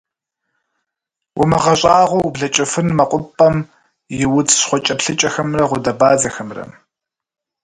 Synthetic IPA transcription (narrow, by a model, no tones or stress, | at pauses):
wʊmɐʁɐɕʼaːʁʷɔwbɮɐt͡ʃʼɐfɨnmɐqʷʼʊpʼɐm | jɪwʊt͡sʼsχʷɔt͡ʃʼɐpɬɨt͡ʃʼɐxɐmrɐʁʷʊdɐbaːzɐxɐmrɐ̰